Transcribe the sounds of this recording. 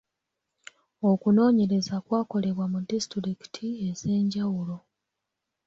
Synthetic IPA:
okuno̞ːɲe̞ɾe̞zakwaːko̞le̞βwamudistiɾiki̥tʰie̞ze̞ːɲɟawulo̞

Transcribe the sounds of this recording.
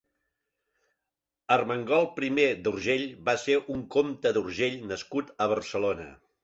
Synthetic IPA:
ərməŋɡɔlˠpɾimed̪urʒeʎβaseʔuŋkomt̪əðurʒeʎnəskut̪əβ̞ərsəlonə̰

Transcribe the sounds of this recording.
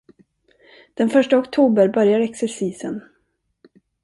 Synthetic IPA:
d̪̥ɛnfœʂʈaɔkt̪ʰuːbəɾbœɾjaɾɛksɛɾʂiːsən

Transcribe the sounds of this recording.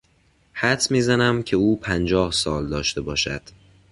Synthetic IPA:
hæt̪ʰmiːzænæmcʰe̞uːpʰænd͡ʒɒːhsɒːld̪ɒːʃt̪e̞bɒːʃæ̰d̪̥

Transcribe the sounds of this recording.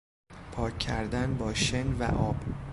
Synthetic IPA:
pʰɒːcʰːæɾd̪ænbɒːʃenvæ̰ʔɒːb̥

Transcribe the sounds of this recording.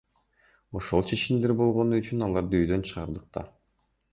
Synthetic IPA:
o̞ʃo̞lˠt͡ʃʰe̞t͡ʃimd̪e̞ɾbo̞lˠʁo̞nuyt͡ʃynɑlˠɑɾd̪ɯyjd̪ø̞nt͡ʃʰɯʁɑɾd̪ɯq̚t̪ɑ̰

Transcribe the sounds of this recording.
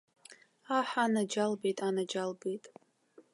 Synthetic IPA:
aħʷanad͡ʒalbejtʼanad͡ʒalbejtʼ

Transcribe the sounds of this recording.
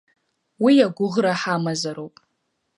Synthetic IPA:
wijaɡʷʊʁraħamazaɾowpʼ

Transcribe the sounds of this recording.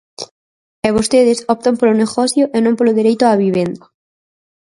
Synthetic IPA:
eβ̞ost̪eðɪsɔp̚t̪ompolʊneɣɔθjʊʔenõmpolʊðiɾejt̪ʊaβiβ̞end̪ɐ

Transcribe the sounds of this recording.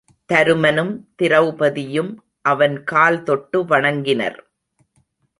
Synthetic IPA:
t̪ɐɾɯmɐnɯmt̪ɪɾɐʋbɐðɪjɯm | ʔɐʋɐnkaːlt̪ɔʈːɯʋɐɳɐŋɡɪnɐ̰ɾ

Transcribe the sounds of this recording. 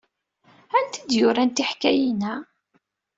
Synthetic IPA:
ænt̪id̪jʊɾænt̪iħkæjinæ

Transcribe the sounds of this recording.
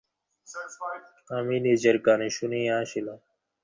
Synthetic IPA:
aːmiːniːd͡ʑɐɾkaːniɕuniːaːɕila

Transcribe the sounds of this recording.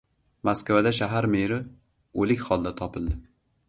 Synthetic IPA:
maskvad̪aʃaɦaɾmeɾɪ | olɪkʲχɒlˠd̪at̪ʰɒpʰɪld̪ɪ

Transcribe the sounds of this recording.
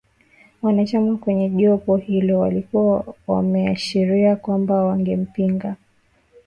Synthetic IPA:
mwanat͡ʃamakwɛɲɛʄɔpɔhilɔwalikuwawa̰mɛaʃiɾiakwambawaŋɡɛm̩piŋɡa

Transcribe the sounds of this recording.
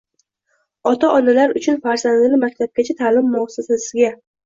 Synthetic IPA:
ɒt̪ʰaʔɒnalaɾʊt͡ʃʰʊnfaɾzand̪ɪnɪmak̚ʲt̪ʰab̚ɡʲat͡ʃʰat̪ʰaːlɪmːʊɒsasasɪɡʲa

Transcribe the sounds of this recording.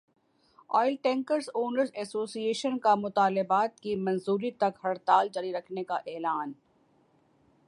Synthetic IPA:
ɔːɪlʈɛ̃ːŋkəɾsoːnəɾzɛːsoːsieːʃənkamʊt̪aːlɪbaːt̪̚kimɐ̃nzuːɾit̪ɐkhɐɾt̪aːld͡ʒaɾiɾɐkʰnekaʔeːlaːn

